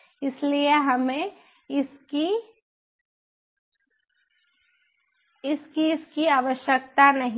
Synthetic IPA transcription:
ɪslijeɦɐmẽ | ɪski | ɪskiɪskiaːʋəʃjək̚t̪anɐɦĩ

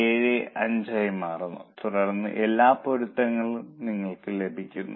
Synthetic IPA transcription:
eːɻeʔɐɲd͡ʑɐjɐmaːrunːṵt̪urɐrnːɨ̰ʔelːaːpoɻut̪ːɐŋːɐɭumniŋːɐɭkɨle̞bʱikʲːunːṵ

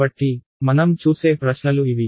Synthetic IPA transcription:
ɐʈːi | mɐnɐmt͡ʃuːseːpɾɐsnɐluiʋi

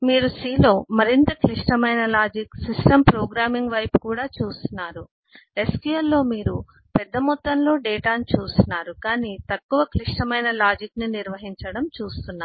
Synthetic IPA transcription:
miːɾusiːlo̞ːmɐɾint̪ɐkliʂʈɐmɐjnɐlaːd͡ʒiksisʈɐmpɾoːɡɾaːmiŋɡʋɐjpukuːɽaːt͡ʃuːst̪unːaːɾu | e̞skjuʋɐlːo̞ːmiːɾu | pɛd̪ːɐmut̪ːɐnlo̞ːɖɛːʈaːnit͡ʃuːst̪unːaːɾukaːniːt̪ɐkːuʋɐkliʂʈɐmɐjnɐlaːd͡ʒikniniɾʋɐɦiɲt͡ʃɐɽɐmt͡ʃuːst̪unːa

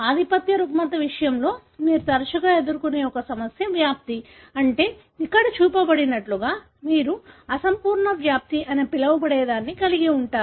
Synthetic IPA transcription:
aːd̪ʱipɐt̪jɐɾukmɐt̪ɐʋiʂɐjɐmlo̞ː | miːɾut̪ɐɾɐʃɐɡaːe̞d̪uɾukune̞ːɔkɐsɐmɐsjɐʋjaːp̚t̪i | ɐɳʈe̞ː | ikːɐɽɐt͡ʃuːpɐbɐɽinɐʈluɡaː | miːɾuɐsɐmpuːɾɳɐʋjaːp̚t̪iʔɐnepilɐʋɐbɐɽɛːd̪aːnːikɐliɡiuɳʈaːɾu

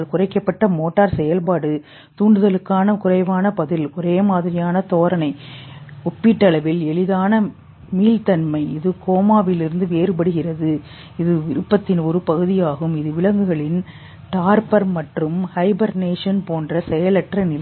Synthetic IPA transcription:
ɭkʊrɐɪkːɐpːɐʈːɐmoːʈːaːɾsɛjɐlpaːɽɯ | t̪uːɳɖɯðɐlɯkːaːnɐkʊrɐɪʋaːnɐpɐðɪlɔɾeːmaːðɪɾɪjaːnɐt̪oːɾɐnɐɪɔpːɪʈːɐɭɐʋɪlɛɭɪðaːnɐ | miːlt̪ɐnmɐɪɪðɯkoːmaːʋɪlɪɾɯnd̪ɯʋeːɾɯpɐɽɯɣɪrɐðɯ | ɪðɯʋɪɾɯpːɐt̪ːɪnɔɾɯpɐɣɯðɪjaːɣɯmɪðɯʋɪlɐŋɡɯɣɐɭɪn | ʈaːɾpɐɾmɐʈrɯmhɐɪbɐɾneːʂɐnpoːndrɐsɛjɐlɐʈrɐnɪl

